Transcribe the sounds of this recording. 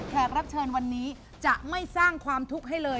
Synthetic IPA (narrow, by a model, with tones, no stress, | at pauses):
k̪ʰɛː˨˩k̚ɾa˦˥k̚t͡ɕʰɤː˧nwa˧nːiː˦˥ | t͡ɕa˨˩ʔma˥˩jsaː˥˩ŋkʰwaː˧mt̪ʰu˦˥k̚ɦa˥˩jlɤː˧